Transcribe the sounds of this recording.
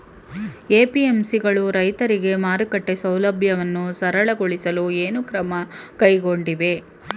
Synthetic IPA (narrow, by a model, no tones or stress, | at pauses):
eːpiemsiɡɐɭuɾɐjt̪ɐɾiɡe̞maːɾukɐʈːesɐwlɐbʱjɐʋɐnːusɐɾɐɭɐɡoɭisɐlueːnukɾɐmɐkɐjɡo̞ɳɖiʋe̞